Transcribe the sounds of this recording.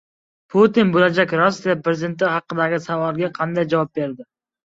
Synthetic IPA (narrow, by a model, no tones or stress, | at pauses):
pʰot̪inbolad͡ʒakʲɾɒsːijapɾezɪd̪e̞nt̪ɪhɑqːɨd̪aɡʲɪsavɒlˠɡʲaqʰɑnd̪ajd͡ʒavɒp̚be̞ɾd̪ɪ